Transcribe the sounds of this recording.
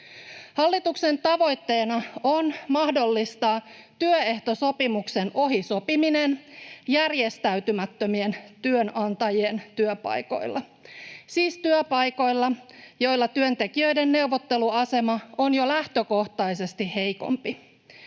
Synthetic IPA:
hɑlːit̪ukse̞nt̪ɑʋo̞jt̪ːe̞ːnɑonmɑhdo̞lːist̪ɑː | t̪yøeht̪o̞so̞pimukse̞no̞ɦiso̞piminenjærjest̪æyt̪ymæt̪ːømie̞nt̪yønɑnt̪ɑjient̪yøpɑ̰jko̞̰jlːʔɑ | siːst̪yøpɑjko̞jlːɑjo̞jlːɑt̪yønt̪e̞kiø̞jdenːe̞uʋot̪ːe̞luɑse̞mɑo̞njo̞læht̪øko̞ht̪ɑjse̞st̪ihe̞jko̰mpi

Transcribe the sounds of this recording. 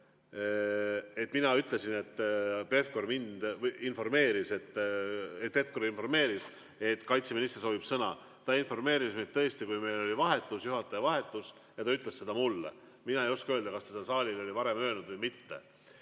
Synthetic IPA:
e̞t̪ːˑminɑyt̪le̞sine̞t̪ˑːpe̞fko̞rmind̪info̞rme̞ːɾise̞t̪ːet̪̚pe̞fko̞ɾinfo̞rme̞ːɾis | e̞t̪ːˑkɑjt̪seminist̪eso̞ːbib̥sɤnɑ̰ | t̪ɑinfo̞rme̞ːɾismet̪t̪ːɤ̞est̪ikujme̞jlo̞lʲivɑɦe̞t̪ːˑusjuɦɑt̪ːˑɑjɑvɑɦe̞t̪ːˑus | jɑt̪ɑyt̪le̞se̞d̪ɑmulːḛ | minɑejo̞skuø̞ːld̪ɑkɑst̪ɑ̥sed̪ɑsɑːlʲilo̞lʲivɑɾe̞mø̞ːlnud̪̥vɤjmit̪ːe̞̰

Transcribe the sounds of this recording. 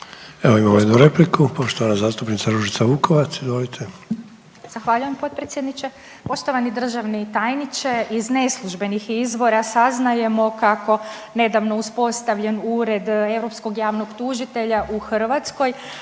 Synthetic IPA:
eʋoimamojed̪nuɾe̞plikupo̞ʃt̪oʋanazaːst̪upnit̪saɾuʒit̪saʋuːkoʋat̪sizʋolit̪ʰe | z̥axʋaːʎuje̞mpo̞t̪̚pɾet̪sjed̪nit͡ʃe̞ | po̞ʃt̪o̞ʋanid̪r̩ʒaʋnit̪ajnit͡ʃe̞izne̞slˠuʒbe̞nixizʋo̞ɾasaznaje̞mo̞kako̞ne̞d̪aʋno̞uspo̞st̪aʋʎe̞nuɾe̞d̪e̞wɾo̞psko̞ɡjaːʋno̞ɡt̪uʒit̪e̞ʎaʔuxr̩ʋat̪sko̞j

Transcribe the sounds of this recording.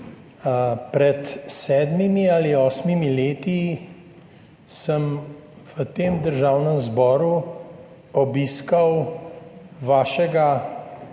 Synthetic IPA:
pɾɛt̪sɛːd̪mimiaːliɔːsmimileːt̪i | səm | ʋət̪eːmd̪əɾʒaːwnəmzbɔːɾu | ɔbiskɐw | ʋaːʃɛɡa

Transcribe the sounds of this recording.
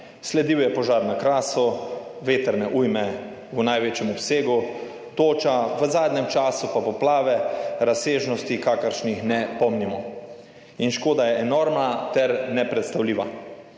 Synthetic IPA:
slɛd̪iwjɛpɔʒaːɾnakɾaːsɔʋeːt̪əɾnɛʔujmɛ | wnajʋeːt͡ʃjɛmɔpseːɡu | t̪oːt͡ʃaʋəzaːd̪nɛmt͡ʃaːsupapɔplaːʋɛɾaseːʒnɔst̪ikakəɾʃnixnɛpɔmnimɔ | inʃkoːd̪ajɛɛnoɾmnat̪ɛɾnɛpɾɛt̪st̪awliːʋa

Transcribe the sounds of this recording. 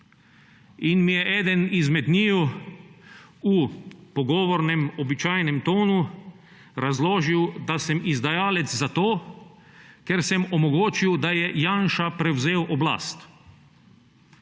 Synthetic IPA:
inmijɛʔɛːd̪ɛnizmɛd̪niːju | upɔɡɔːʋɔɾnɛmɔbit͡ʃaːjnɛmt̪oːnu | ɾazloːʒiwd̪asɛmizd̪ajaːlɛt̪zzat̪oː | kɛɾsɛmɔmɔɡoːt͡ʃiwd̪ajɛjaːnʃapɾɛwzeːwʔɔbla̰ːst̪

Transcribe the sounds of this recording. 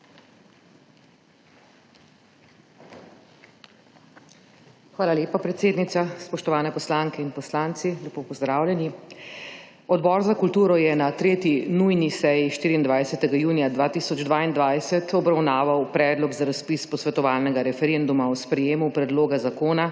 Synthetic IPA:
xʋaːlaleːpapɾɛt̪seːd̪nit̪saspɔʃt̪ɔʋaːnɛpɔslaːŋkɛinpɔslaːnt̪silɛpoːpɔzd̪ɾaːwlʲɛni | ɔd̪bɔːɾzakult̪uːɾɔjɛnat̪ɾeːt̪jinujnisɛjiʃt̪iːɾiːnd̪ʋajsɛt̪ɛɡajuːnijad̪ʋaːt̪iːsɔd͡ʒd̪ʋaːind̪ʋajsɛt̪ʰɔbɾawnaːʋawpɾɛːd̪lɔɡzaɾaspispɔsʋɛt̪ɔʋaːlnɛɡaɾɛfɛɾend̪umaɔspɾɛjeːmupɾɛd̪loːɡazakoːna

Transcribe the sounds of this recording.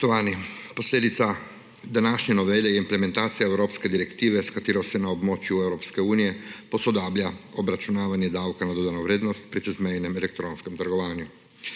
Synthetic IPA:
t̪ɔʋaːnipɔsleːd̪it̪sa | d̪anaʃɲɛnɔʋɛlɛjɛimplɛmɛ̃nt̪aːt̪sijaɛwɾoːpskɛd̪iɾɛkt̪iːʋɛskat̪eːɾɔsɛnaɔbmoːt͡ʃjuɛwɾoːpskɛuːnijɛpɔsɔd̪aːblʲjaɔbɾat͡ʃunaːʋanjɛd̪awkanad̪ɔd̪anɔʋɾeːd̪nɔst̪pɾit͡ʃɛzmɛjnɛmɛlɛk̚t̪ɾoːnskɛmt̪əɾɡɔʋaːnju

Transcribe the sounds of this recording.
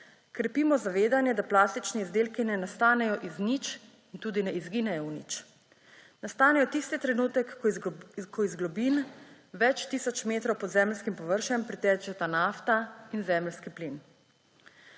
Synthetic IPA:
kɾɛpiːmɔzaʋeːd̪anjɛd̪aplaːst̪it͡ʃnɛizd̪eːlkinɛnast̪aːnɛjɔʔiznit͡ʃ | int̪uːd̪inɛizɡiːnɛjɔwnḭt͡ʃ | nast̪aːnɛjɔt̪ist̪it̪ɾɛnuːt̪ɛk | kʰɔizɡlɔbin | ʋɛt͡ʃt̪iːsɔt͡ʃmeːt̪ɾɔwpɔd̪zɛːmlskimpɔʋəɾʃɛmpɾit̪ɛːt͡ʃɛt̪anaft̪ainzɛmlskiplin

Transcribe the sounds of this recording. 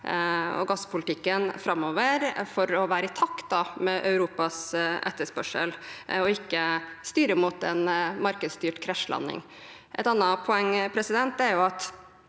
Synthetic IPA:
ɔ̰ɡɑsːpʰʊlt̪ɪkːənfɾɑmːoːʋəɾfɔɾɔʋæːɾəɪt̪ʰɑkt̪̚d̪ɑmɛʔɑ̰ʉɾuːpɑsʔɛ̰t̪ːəʂpœʂə̰lɔɪkːəst̪yːɾəmut̪ɛnmɑɾkəd̪st̪yːʈkʰɾæʂlɑ̰nːɪ̰ŋ | ʔɛ̰t̪ɑnːəpʰʊɛŋːpʰɾɛsɪd̪ɛnt̪ɛɾjʊɑt̪

